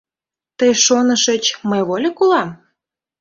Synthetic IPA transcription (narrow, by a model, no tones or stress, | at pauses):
t̪əjʃonəʃət͡ɕməjβolʲekulɑm